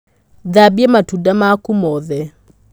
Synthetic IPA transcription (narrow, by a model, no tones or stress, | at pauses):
ðabiɛmatudamakumɔðɛ